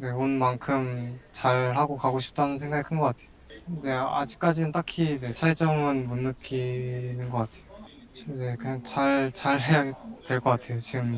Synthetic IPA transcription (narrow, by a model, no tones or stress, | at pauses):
ne̞onmankʰɯmt͡ɕaɭɦaɡokaɡoɕʰi̥p̚t͈anɯnsʰe̞ŋɡaɡikʰɯnɡʌk͈atʰe̥jonde̞a̰d͡ʑik͈̚ad͡ʑinɯnt͈akʰine̞t͡ɕʰait͡ɕ͈ʌmɯnmunːɯk͈ʰinɯnɡʌk͈atʰe̞jo | ne̞kɯɲaŋt͡ɕaɭt͡ɕaɭhe̞jaɡetwe̞ɭk͈ʌk͈atʰe̞jot͡ɕiɡɯm